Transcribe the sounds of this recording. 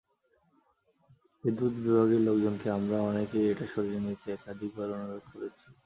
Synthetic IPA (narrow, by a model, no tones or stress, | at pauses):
ed̪ud̪bibʱaɡeɾlokd͡ʑonkeamɾaɔnekejeʈaʃoɾd͡ʑonit̪eɛkad̪ʱik̚bʱaɾonoɾod̪̚koɾet͡ɕʰi̥